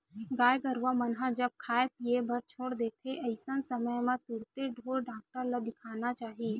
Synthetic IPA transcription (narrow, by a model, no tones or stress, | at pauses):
ɡaːjɡəɾʋamənɦãd͡ʒəb̚kʰaːepiebʱəɾt͡ʃʰoːɽd̪eːt̪ʰeʔɐɪsənsəməjmãt̪uɽt̪eɖʱoːɾɖaːk̚ʈəɾlad̪ɪkʰaːnat͡ʃaːɦie